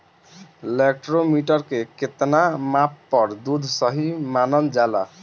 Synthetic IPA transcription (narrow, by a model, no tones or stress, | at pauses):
lek̚ʈɾomiʈəɾkeket̪namapːʌɾd̪ud̪ʱsəɦimanənd͡ʒala̰